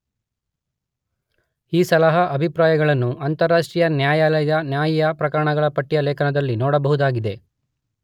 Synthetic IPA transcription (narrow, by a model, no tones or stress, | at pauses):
iːsɐlɐɦɐʔɐbʱipɾaːjɐɡɐɭɐnːuʔɐnt̪ɐɾːaːʂʈɾijɐnjaːjaːlɐjjɐnjaːjijɐpɾɐkɐɾɐɳɐɡɐɭɐpɐʈːijɐleːkʰɐnɐd̪ɐlːinɔːɽɐbɐɦud̪aːɡid̪e̞